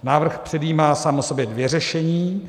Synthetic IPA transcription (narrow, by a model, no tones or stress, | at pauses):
naːvr̩xpr̥ɛdiːmaːsaːmʔoso̞bjɛdvjɛrɛʃɛɲiː